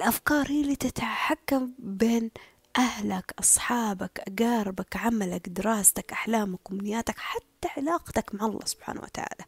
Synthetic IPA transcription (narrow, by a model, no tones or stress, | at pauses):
ʔɪlʔafkɑːɾˤhiːliːt̪ɪt̪ħakːambeːn | ʔahlakʔɑsˤħɑːbakʔaɡaːɾˤɪbakʕamalakd̪ɪɾɑːst̪akʔaħlaːmakːʊmnɪjːaːt̪akħat̪ːaʕɪlaːqt̪akmaʕɑlˤːɑ̰ːsʊ̥b̥ħa̰ːna̰wa̰t̪a̰ʕa̰ːla